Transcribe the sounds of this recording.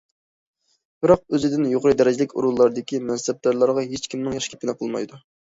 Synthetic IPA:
b̥ɪɾɑq̚øzɪd̪ɪnjoqəɾɨd̪ɛɾɪd͡ʒɪlɪkʲṵɾulˠːɑɾd̪ɪkʲimɛnsɛb̚d̪ɑɾlˠɑɾʁɑɦet͡ʃkʲimnɨŋjɑʃkʲɛ̥p̚ʲɪnɨqʰəlˠmɑ̰jd̪u

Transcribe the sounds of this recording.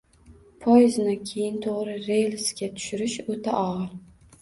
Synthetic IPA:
pʰojɪznakʲʰejɪnt̪ʰoʁɾɪɾejlskʲat̪ʰʊ̥ʃɪɾɪʃot̪ʰaʔɒʁɑ

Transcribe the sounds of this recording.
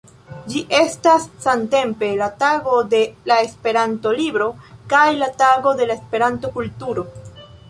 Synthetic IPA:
d͡ʒiʔe̞stasːante̞mpe̞lataɡo̞de̞lae̞spe̞ɾanto̞libɾo̞kajlataɡo̞de̞laespe̞ɾanto̞kultuɾo̞

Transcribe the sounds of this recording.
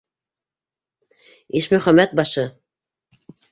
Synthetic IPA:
iʃmɵ̆χæmːæt̪̚bɑʃɤ

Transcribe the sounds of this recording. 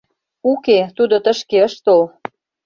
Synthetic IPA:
uket̪ud̪ot̪ə̆ʃkeəʃt̪ol

